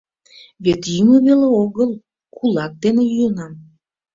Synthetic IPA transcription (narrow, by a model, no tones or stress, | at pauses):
βet̪jyməβeleoɣəlˠ | kʰulɑk̚d̪enejyənɑm